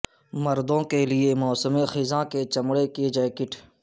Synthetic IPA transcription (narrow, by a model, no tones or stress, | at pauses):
mɐɾd̪õkeliemɔːsəmexɪzãːket͡ʃɐmɽeked͡ʒajkɪʈʰ